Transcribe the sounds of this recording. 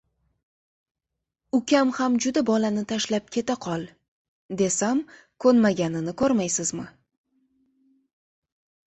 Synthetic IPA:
ʊkʲʰamhamd͡ʒʊd̪abɒlanɪt̪ʰaʃlap̚kʲʰe̞t̪aqʰɒlˠ | d̪e̞sam | kʰɵnmaɡʲanɪnɪkʰoɾmajsɪzmɪ

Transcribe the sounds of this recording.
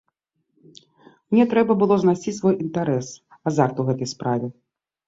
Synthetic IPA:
mnʲɛt̪ɾɛbɐbɨlˠɔznasʲisvɔjint̪aɾɛs | azart̪uwɣɛt̪ɐjspɾavʲɛ

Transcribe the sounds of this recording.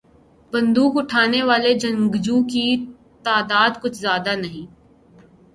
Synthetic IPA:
bɐ̃nd̪uːkʊʈʰaːneʋaːled͡ʒɐ̃ŋɡd͡ʒuːki | t̪aːd̪aːd̪kʊt͡ʃʰzjaːd̪anɐɦĩː

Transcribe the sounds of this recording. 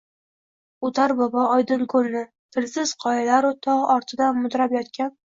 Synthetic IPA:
ʊt̪ʰaɾbɒbɒɒjd̪ɨnkʰɵlnɪ | t̪ʰɪlsɪz̥qʰɒjalaɾɪt̪ʰɒʁɒɾt̪ʰɪd̪anmʊd̪ɾapjɒt̪kʲʰan

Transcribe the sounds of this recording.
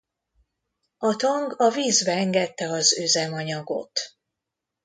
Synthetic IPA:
ɒt̪oŋɡɒviːzbɛɛŋɡɛt̪ːɛɒzøzɛmɒɲɒɡo̞̰t̪

